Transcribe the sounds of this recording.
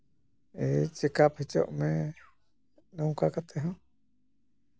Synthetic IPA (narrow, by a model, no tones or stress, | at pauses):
et͡ʃekapʰet͡ʃoʔmẽ | nũkakat̪eɦõ